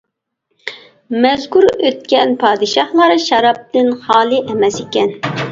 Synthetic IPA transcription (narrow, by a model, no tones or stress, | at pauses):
mɛzkuɾøt̪̚kʲɛnpʰɑːd̪ɨʃɑχlˠɑɾʃɑɾɑp̚t̪ɪnχɑːlˠɨʔɛmɛsekʲɛn